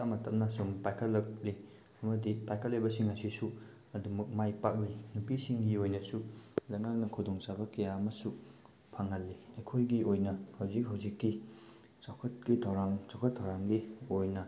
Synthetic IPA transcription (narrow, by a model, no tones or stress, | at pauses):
tamɐtʰɐmnɐsompajkʰɐtlɐk̚li | ɐmɐdipajkʰɐtlːejbɐsiŋasisu | ɐdumɐk̚majpak̚linupisiŋɡiojnɐsulɐjŋak̚nɐkʰudoŋt͡ʃabɐkɐjaɐmɐsu | pʰaŋɐlːiɐjkʰojɡiʔojnɐhɐwzik̚ɦawzikːi | t͡ʃawkʰɐt̚kitʰɐwɾaŋt͡ʃawkʰɐtʰːɐwɾaŋɡiojnɐ